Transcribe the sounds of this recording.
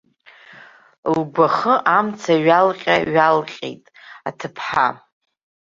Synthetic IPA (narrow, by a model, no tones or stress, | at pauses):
lɡʷaχəʔamt͡sʰaɥalqʲʼaɥalqʲʼḛjtʼ | atʰɨpʰħa̰